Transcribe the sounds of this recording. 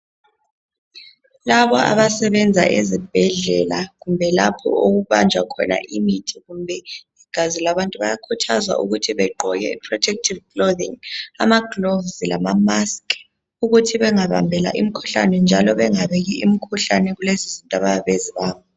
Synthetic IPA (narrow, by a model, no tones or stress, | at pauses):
laβɔʔa̰βasɛβɛnd͡zʱaʔezib̥ʱɛɮɛlaɣumbʱɛlapʰɔ̰oɣuβand͡ʒʱwakʰɔ̰na̰ʔimitʰiɣumbʱɛ | iɡ̥ʱazilaβantʼuβa̰jakʰutʰazwa̰ʔṵɣutʰiβɛǃʱɔɣɛ̰ipʰrɔtʰɛk̚tʰivɡloðḭŋa̰maɡlovzilamamaskʼ | uɣutʰiβɛŋaβa̰mbʱɛla̰ʔim̩kʰu̥ɬanɛnd͡ʒʱalɔβɛŋaβɛɣiimikʰuɬanɛɣulezizintʼaβajaβeziβaːβɔ